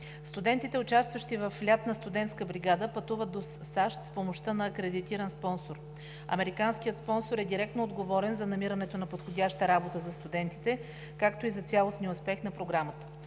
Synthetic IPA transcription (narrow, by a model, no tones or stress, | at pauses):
st̪ud̪ɛnt̪it̪ɛʊt͡ʃast̪vəʃt̪ivəflʲat̪nɐst̪ʊd̪ɛnt̪skəbɾiɡad̪əpɐt̪uvət̪̚d̪o | saʃt̪spomoʃt̪ənɐːkɾɛd̪it̪iɾənspɔnsoɾ | ɐ̰mɛɾikanskʲijət̪spɔnsoɾɛd̪iɾɛk̚t̪noːd̪ɡovɔɾɛnzɐnɐmiɾənɛt̪onɐpot̪xod̪ʲaʃt̪əɾabot̪əzɐst̪ud̪ɛnt̪it̪ɛ | kakt̪oizɐt̪sʲalˠosniospɛxnɐpɾoɡɾamət̪ə̥